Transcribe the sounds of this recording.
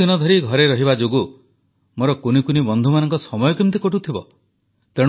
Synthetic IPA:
inɔd̪ʱɔɾiɡʱɔɾeɾɔɦibad͡ʒoɡu | moɾɔkunikunibɔnd̪ʱumanɔŋkɔsɔmɔjɔkimt̪ikoʈut̪ʰibɔ̰ | t̪eɽ̃

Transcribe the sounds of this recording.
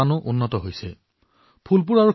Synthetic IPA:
anʊʔunːɔtɔɦojsɛ | pʰulp̬ʊɹaɹu

